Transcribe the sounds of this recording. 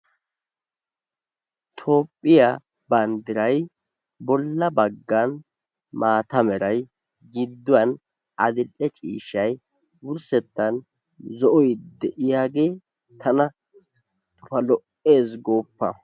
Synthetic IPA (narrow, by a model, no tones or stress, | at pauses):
t̪ʰo̞ːpʼːɪja | bɐnd̪ɪɾɐj | bɔlːɐbɐɡːɐn | maːt̪ɐmɛɾɐj | ɡɪd̪ːʊwɐn | ʔɐd̪ɪlːɛt͡ʃʼḭːʃɐj | wʊɾsɛt̪ːɐn | zɔʔɔjd̪ɛʔɪjaːɡe̞ː | t̪ʰɐnɐ | t̪ʼʊfɐlɔʔe̞ːsɡo̞ːpːɐ̰